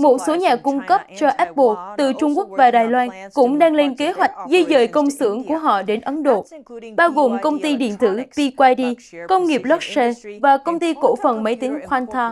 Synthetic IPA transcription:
mo˨˩t̚so˨˦ɲaː˨˩kʊ˧ŋ͡mkə˦˥p̚t͡ɕɔ˧ʔɛ˦˥t̚ɓo˧t̪ɨ˨˩t͡ɕʊ˧ŋ͡mku˦˥ək̚vaː˨˩ɗaː˨˩jlwaː˧nkʊ̰˧˥ŋ͡mɗaː˧ŋle˧nke˨˦ɦwa˨˩jk̟̚zi˧jzə̰ː˧˨jkə˧wŋ͡msɨ̰˧˩əŋku˧˩əɦɔ̰˧˨ɗe˨˦nʔə˨˦nɗo̰˧˨ɓaː˧wɣo˨˩mkə˧wŋ͡mt̪i˧ɗḭ˧˨ənt̪ɨ̰˧˩pi˧kwaː˧jɗi˧kə˧wŋ͡mŋi˨˩əp̚lɔ˦˥k̚se˧vaː˨˩kə˧wŋ͡mt̪i˧ko̰˧˩fə˨˩nmə˨˦jt̪i˨˦ŋxwaː˧nt̪ʰa˧

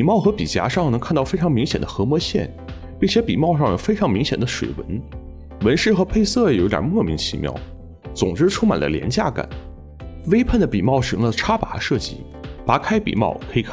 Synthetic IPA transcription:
pi˨˩mɑ˥˩ʊxɤ˧˥pi˨˩t͡ɕja̰˧˥ʂɑ˥˩ŋnɤ˧˥ŋkʰa˥˧nt̪ɑ˥˧ʊfe˥ɪʈ͡ʂʰɑ˧˥ŋmi˧˥ŋɕjɛ̰˨˩nd̪ə˦xɤ˧˥mwɔ˧˥ɕjɛ̰˥˩n | pi˥˩ŋt͡ɕʰjɛ˧˥pḭ˨˩mɑ˥˧ʊʂ̬ɑ˥˩ŋjo˨˩ʊfe˥ɪʈ͡ʂʰɑ˧˥ŋmi˧˥ŋɕjɛ˨˩nd̪ə˦ʂwḛ˨˩ɪwə̰˧˥n | wə˧˥nʂɻ̩˥˩xɤ˧˥pʰe˥˧ɪsɤ˥˩jt̪j̰ɐ̰˨˩mwɔ˥˩mi˧˥ŋt͡ɕʰḭ˧˥mjɑ̰˥˩ʊ | t͡sʊ˨˩ŋʈ͡ʂɻ̩˥ʈ͡ʂʰʊ˥ŋma˨˩nd̪ə̰˦ljɛ˧˥nt͡ɕja˥˩ka̰˨˩˦n | we˥ɪpʰə˥˩nd̪ə˩pi˨˩mɑ˥˩ʊʂɤ˧˥ŋlə˧ʈ͡ʂʰa˥pa˧˥ʂɤ˥˩t͡ɕḭ˥˩ | pa˧˥kʰa˥ɪpḭ˨˩mɑ̰˥˩ʊkʰɤ˧˥i˧˩kʰ

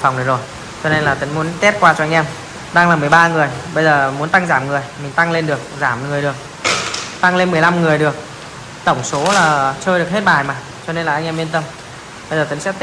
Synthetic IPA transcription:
fa̰˨˩wŋ͡mɗə˨˩zo˨˩j | t͡ɕɔ˧ne˧nlaː˨˩t̪ï˨˦ŋ̟mu˨˦ənt̪ɛ˦˥t̚kwaː˧t͡ɕɔ˧ʔa˧ŋ̟ʔɛ˧m | ɗaː˧ŋlaː˨˩mɨ˨˩əjɓaː˧ŋɨ˨˩əjɓə˧jzəː˨˩mu˨˦ənt̪a˧ŋzaː˧˩mŋɨ˨˩əjmï˨˩ŋ̟t̪a˧ŋle˧nɗɨ˨˩ək̚zaː˧˩mŋɨ˨˩əjɗɨ˨˩ə˩k̚ | t̪a˧ŋle˧nmɨ˨˩əjla˧mŋɨ˨˩əjɗɨ˨˩ək̚ | t̪ə˧˩wŋ͡mso˨˦laː˨˩t͡ɕəː˧jɗək̚ɦe˦˥t̚ɓaː˨˩jmaː˨˩ | t͡ɕɔ˧ne˧nlaː˨˩ʔa˧jŋʔɛ˧mi˧ənt̪ə˧m | ɓə˧jzəː˨˩t̪ï˨˦ŋsɛ̰˧˥

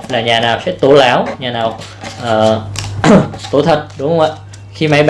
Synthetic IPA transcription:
laː˨˩ɲaː˨˩naː˨˩wsɛ̰˧˥t̪u˧˩ə˦laː˧˦wɲaː˨˩naː˨˩w | ʔəː˨˩ | t̪ṵ˧˩˦t̪ʰə˨˩t̚ɗʊ˨˦hwŋ͡mʔaː˧˨ | xi˧ma˨˧˥jɓ

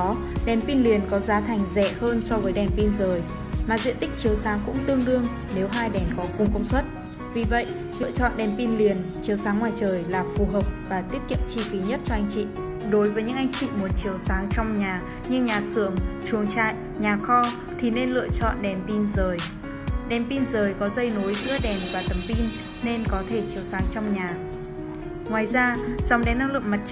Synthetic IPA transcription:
ɗɛ˨˩npi˧nli˨˩ənkɔ˨˦zaː˨˦t̪ʰa˨˩jŋ̟zɛ̰˧˩˨həː˧nsɔ˧vəː˨˦jɗɛ˨˩npi˧nzəː˨˩j | maː˨˩zḭ˧ənt̪ï˦˥k̚t͡ɕi˨˩əwsaː˨˦ŋkʊ̰˧˥ŋ͡mt̪ɨ˧əŋɗɨ˧əŋ | ne˨˦wɦaː˧jɗɛ˨˩nkɔ˨˦kʊ˨˧˩ŋ͡mkʊ̰˧˥wŋ͡mswə˦˥t̚ | vi˨˩və̰˧˨jʔ | lɨ̰˧˨ət͡ɕɔ̰˧˨nɗɛ˨˩npi˧nli˨˩ənt͡ɕi˨əwsaː˨˦ŋːwaː˨˩jt͡ɕəː˨˩jlaː˨˩fu˨˩ɦəː˨˩wk͡p̚vaː˨˩t̪i˦˥ət̚kḭ˧˨əmt͡ɕi˧fi˨˦ɲə˦˥t̚t͡ɕɔ˧ʔa˧jŋ̟t͡ɕḭ˧˨ | ɗo˨˦jvəː˨˦jɲɨ̰˧˥ŋʔa˧jŋ̟t͡ɕḭ˧˨mo˨˩t̚t͡ɕi˨˦əwsaː˨˦ŋt͡ɕɔ˧wŋ͡mɲaː˨˩ | ɲɨ˧ŋɲaː˨˩sɨ˧˩əŋt͡ɕu˨˩əŋt͡ɕa̰ː˧˨j | ɲaː˨˩xɔ˧ | t̪ʰi˨˩ne˧nlɨ̰˧˨ət͡ɕɔ̰˧˨nɗɛ˨˩mpi˧nzəː˨˩j | ɗɛ˨˩mpi˧nzəː˨˩jkɔ˨˦zə˧jno˨˦jzɨ̰˧˥əɗɛ˨˩nvaː˨˩t̪ə˨˩mpi˧nː | e˧nkɔ˨˦t̪ʰe˧˩t͡ɕi˨˦əwsaː˨˦ŋt͡ɕɔ˧wŋ͡mɲaː˨˩ | ŋwaː˨˩jzaː˧zɔ˨wŋ͡mɗɛ˨˦nːaː˧wlɨ̰˧˨əŋma˨˩t̚

